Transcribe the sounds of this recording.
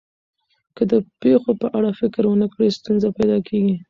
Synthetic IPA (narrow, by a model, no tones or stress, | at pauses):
kəd̪əpexopəʔaɽafɪkɾwənəkɽest̪unzapajd̪ɑkʰeɡi